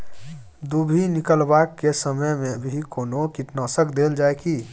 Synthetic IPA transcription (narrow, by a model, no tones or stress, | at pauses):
d̪ubʱinɪkəlbaːkːesəməjmẽbʱikoːnokiʈnaːsəkd̪eːld͡ʒaːeki